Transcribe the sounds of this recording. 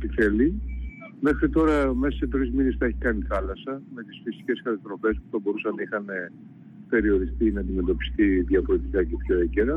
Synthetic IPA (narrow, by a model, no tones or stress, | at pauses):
t̪iθe̞li | me̞xɾit̪o̞ɾɐmesɐse̞t̪ɾizminesθɐe̞çi̥kɐniθɐlɐsɐme̞t̪isfisi̥ce̞skɐt̪ɐst̪ɾo̞fe̞spu̥θɐbo̞ɾusɐnɐixɐne̞ | pe̞ɾio̞ɾist̪inɐːnd̪ime̞t̪o̞pi̥st̪iðjɐfoɾet̪ikɐcepço̞eceɾɐ